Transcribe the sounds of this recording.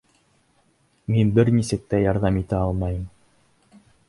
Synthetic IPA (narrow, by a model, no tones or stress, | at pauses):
minbɘɾnʲisɘ̆k̚t̪æjɑɾðɑmit̪æɑlˠmɑjɤ̆m